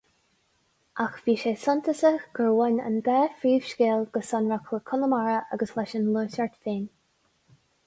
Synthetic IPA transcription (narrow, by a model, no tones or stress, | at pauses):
ʔaxviːʃeːsɔnt̪ʰəsəxɡ̥əɹwɛnə̰nbɛːfɹiːv̥ʃkeːlɡ̥əsɔnɹakʰləkʰʊləmaɹəʔa̰ɡəslɛʃənluːsəɹtfeːn